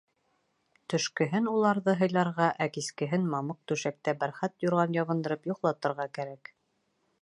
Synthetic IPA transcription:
t̪ɵ̆ʃkɘ̆ɦɘnulˠɑɾðɤɦɤ̆jlˠɑɾʁɑʔækiskɘ̆ɦɘnmɑmɤq̚t̪ʉʃæk̚t̪æbæɾχæt̪juɾʁɑnjɑβɤ̆nd̪ɤ̆ɾɤpjŏqlˠɑt̪ɤ̆ɾʁɑkæɾæk

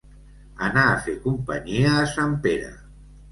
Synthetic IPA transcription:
anaːfekumpaɲiaːsampeɾa̰

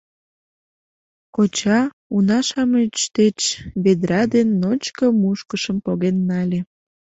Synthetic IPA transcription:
kot͡ɕɑ | unɑʃɑmet͡ɕt̪et͡ɕβed̪ɾɑd̪enːot͡ɕkəmuʃkəʃəmpoɣenːɑlʲe

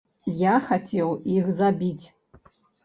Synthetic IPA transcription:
jaxatʲʰewiɣzabʲitʲ

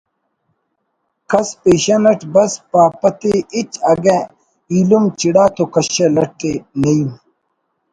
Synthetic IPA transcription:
kɐspeːɕanɐʈbɐspaːpɐt̪eʔit͡ɕɐɡẽ | ilumt͡ɕiɽaːt̪ʰokɐɕelɐʈːenɐjum

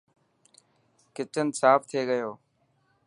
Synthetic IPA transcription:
kɪt͡ʃənsaːpʰt̪ʰeːɡəjoː

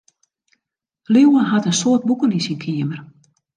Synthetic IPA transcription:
liwənɦatənsoət̚bukəlisinkʰiəmər

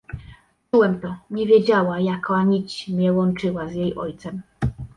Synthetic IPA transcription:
t͡ʂuwɛmt̪ɔɲɛvʲjed͡ʑawajakaɲit͡ɕmɲɛwɔnt͡ʂɘwazjejɔjt̪sɛm

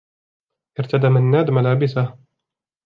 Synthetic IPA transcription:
ʔɪɾt̪ad̪amanːaːd̪malaːbɪsa

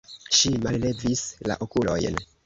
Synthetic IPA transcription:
ʃimalle̞visla̰ʔokulo̞̰jn

